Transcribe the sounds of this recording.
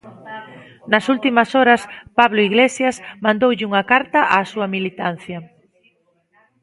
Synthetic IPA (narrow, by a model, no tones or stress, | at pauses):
nɐsult̪imɐsɔɾɐspaβloiɣlesjɐsmãnd̪owʎɪuŋɐkaɾt̪ɐʔaːsuɐmilit̪an̟θjɐ